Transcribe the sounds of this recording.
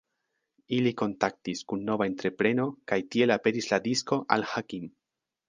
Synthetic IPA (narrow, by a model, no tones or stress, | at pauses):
iliko̞ntak̚tiskunːo̞vaent̪ɾe̞pɾe̞no̞kajtie̞lape̞ɾisladisko̞ʔa̰lhakim